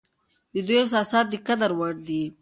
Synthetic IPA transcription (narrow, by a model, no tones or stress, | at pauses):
d̪əd̪ujɪqsɑsɑːt̪̚d̪ikad̪aɾwaɽd̪i